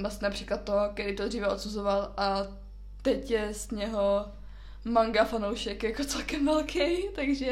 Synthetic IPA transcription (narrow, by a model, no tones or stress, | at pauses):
lasɲɛnapr̝̥iːklat̪̚tːoɦokɛɾiːt̪od̪riːvɛo̞t̪suzovalʔa | t̪ɛcjɛsɲɛɦo | maŋɡafanowʃɛkjakot͡sɛlkɛmvɛlkʰejt̪aɡʒɛ